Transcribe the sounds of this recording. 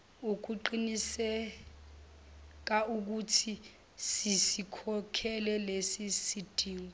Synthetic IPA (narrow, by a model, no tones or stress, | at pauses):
uk̬uǃinisɛ | k̬auk̬utʰi | sisikʰɔkʰɛlɛlesisid̥ʱiːŋɔ